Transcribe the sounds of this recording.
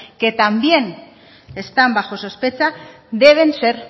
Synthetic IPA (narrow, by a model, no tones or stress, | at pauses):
ke̞t̪ambje̞n | e̞st̪ambaʝo̞sospe̞t͡sa | d̪e̞β̞e̞nse̞ɾ